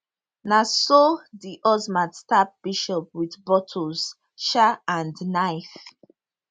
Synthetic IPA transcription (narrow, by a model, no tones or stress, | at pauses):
nasɔdiʔɔzmãdstap̚b̥iʃɔp̚wiðbɔtʰɔz̥ | ʃaãndnaɪf